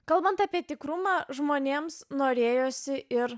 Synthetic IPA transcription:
kɐlˠbɐnt̪ɑːpʲiɛt̪ʲɪkɾʊmɑːʒmoːnʲeːmsnoːɾʲeːjoːsʲɪʔɪɾ

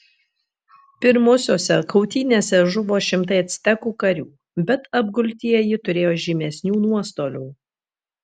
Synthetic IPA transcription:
pʲɪɾmʊsʲoːsʲɛkʰɐʊt̪ʲiːnʲeːsʲɛʒʊʋoːʃʲɪmt̪ɐɪɐt̪ʲsʲt̪ʲɛkuːkɐɾʲuː | bʲɛt̪ɐb̚ɡʊlʲt̪ʲiɛjɪt̪ʊɾʲeːjoːʒʲɪmʲɛsʲnʲuːnuɔst̪oːlʲuː

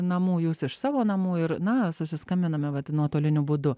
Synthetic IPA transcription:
nɐmuːjuːsɪʃsɑːʋoːnɐmuːɪɾnɐsʊsʲɪskɐmʲbʲɪnɐmʲɛʋɐt̪nuɔt̪oːlʲɪnʲʊbud̪ʊ

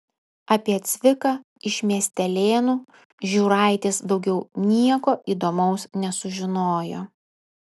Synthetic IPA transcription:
ɐpʲiɛt̪sʲʋʲɪkɑ | ɪʃʲmʲiɛsʲt̪ʲɛlʲeːnuː | ʒʲuːɾɐɑˑɪt̪ʲesd̪ɒʊɡʲɛʊnʲiɛkoːʔiːd̪oːmɐʊsnʲɛsʊʒʲɪnoːjo̰ː

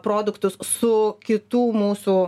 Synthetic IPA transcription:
pɾoːd̪ʊkt̪ʊssʊkʲɪt̪uːmuːsuː

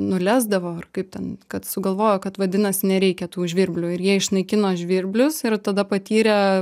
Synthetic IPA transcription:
nʊlʲæːzd̪ɐʋoːɐrkɐɪp̚tʲɛnkɐt̪sʊɡɐlˠʋoːjoːkɐt̪ʋɐd̪ʲɪnɐsnʲɛɾʲɛɪkʲɛt̪uːʒʲʋʲɪɾʲbʲlʲʊːɪɾjiɛɪʃnɐɪkʲɪnoːʒʲʋʲɪɾʲbʲlʲʊsɪrt̪ɐd̪ɐpɐt̪ʲiːɾʲɛ

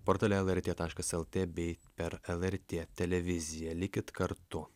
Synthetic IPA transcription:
poːɾt̪ɑːlʲɛɛlˠɛɾʲt̪ʲeːt̪ɑːʃkɐsɛlˠt̪ʲeːbʲɛɪpʲɛɾɛlˠɛɾʲt̪ʲeːt̪ʲɛlʲɛʋʲɪzʲɪjɛlʲɪkʲɪt̪kɐɾt̪ʊ

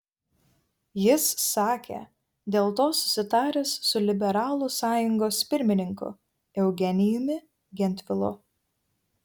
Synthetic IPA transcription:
jɪsːɑːkʲḛˑ | d̪ʲeːlˠt̪oːsʊ̥sʲɪt̪ɑːɾʲɛsːʊlʲɪbʲɛɾɑːlˠʊsɑːjʊŋɡoːspʲɪɾʲmʲɪnʲɪŋkʊ̰ | ɛʊɡʲɛnʲɪjʊmʲɪ | ɡʲɛnʲt̪ʲʋʲɪlˠʊ̰

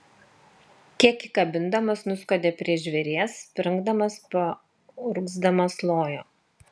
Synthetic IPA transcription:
kʲiɛkikɐbʲɪnd̪ɐmɐsnʊskoːd̪ʲeːpʲɾʲiɛʒʲʋʲɛɾʲeɛspʲɾʲɪŋɡd̪ɐmɐspɐ | ʊɾʊɡzd̪ɐmɐslˠoːjoː

